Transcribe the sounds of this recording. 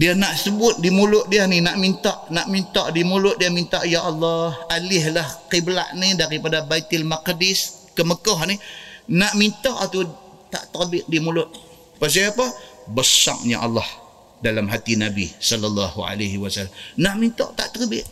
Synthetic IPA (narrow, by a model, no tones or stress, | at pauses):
dianaʔsəbʊt̪̚dimulʊt̪̚dianinaʔmint̪aʔnaʔmint̪ɔʔdimulʊt̪̚diamint̪aʔjaʔɑlːɑhalɪhlahqibla̰ʔnidaɾipadabait̪ɪlmakdɪskəməkɔɦninaʔmint̪ɔʔat̪u | t̪a̰ʔt̪ərbɪt̪̚dimulʊt̪̚ | pas̬iapabəsa̰ŋ̚ɲa̰ʔɑ̰lːɔh | dalamɦat̪inabḭsɔlːalːɑhṵa̰laɦiwasalːamnaʔmint̪a̰ʔt̪a̰ʔt̪ərbɪt̪̚